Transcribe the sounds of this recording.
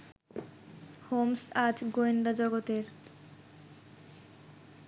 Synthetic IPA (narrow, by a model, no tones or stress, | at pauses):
homsad͡ʑɡoend̪ad͡ʑɔɡot̪eɾ